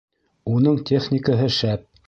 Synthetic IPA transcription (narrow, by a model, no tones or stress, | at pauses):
unɤɴt̪ʲʰeχnʲɪkəɦɤʃæp̚